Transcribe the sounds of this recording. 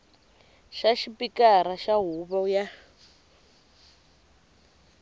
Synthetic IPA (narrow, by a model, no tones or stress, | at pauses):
ʃaʃipikaɾaʃaɦuβaja